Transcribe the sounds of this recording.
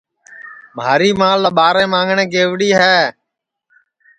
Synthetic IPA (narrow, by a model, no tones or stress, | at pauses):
mʱaːɾiːmãːləɓaːɾẽːmãːŋɡɳẽːɡeːʋɽiːɦɛː